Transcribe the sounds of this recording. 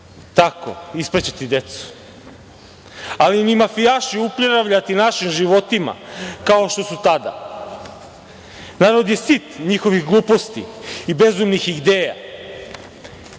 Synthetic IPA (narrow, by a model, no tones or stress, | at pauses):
t̪ako̞̰ispɾet͡ɕet̪id̪e̞t̪su̥ | alinimafijaʃiupʎeɾaʋʎat̪inaʃimʒiʋo̞t̪ima̰kao̞ʃt̪o̞sut̪ad̪a̰ | naːɾod̪jesit̪ɲixo̞ʋixɡlˠuːpo̞st̪ḭibe̞zumnixid̪e̞ːja̰